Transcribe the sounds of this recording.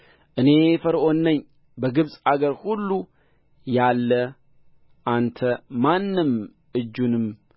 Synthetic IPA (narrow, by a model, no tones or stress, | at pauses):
ʔɨne̞fəɾʔo̞nːəɲː | bəɡɨβsʼaɡəɾhulːu | jalːə | ʔant̪ʰəmanːɨm | ʔɨd͡ʒːunɨm